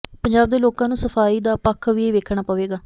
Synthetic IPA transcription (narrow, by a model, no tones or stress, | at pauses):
pəɲd͡ʒaːb̚d̪eːloːkãːnũːsəfʰaːiːd̪aːpəkʰːʋieːʋeːkʰɽ̃aːpəʋeːɡaː